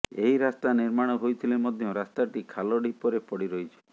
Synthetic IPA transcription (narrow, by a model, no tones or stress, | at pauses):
eɦiɾast̪aniɾmaɽ̃ɔɦojt̪ʰilemɔd̪ʱjɔ̃ɾast̪aʈikʰalɔɖipɔɾepɔɽiɾɔjt͡ʃʰi̥